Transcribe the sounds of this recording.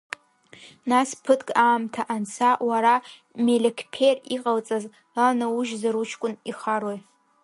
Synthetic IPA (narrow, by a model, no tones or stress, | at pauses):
naspʰɨtʰkʼaːmtʰaʔant͡sʰawaɾa | melʲekʰpʰeriqʼalt͡sʼaz | anauʒzaɾut͡ʃʰkʷʼʊniχaɾoj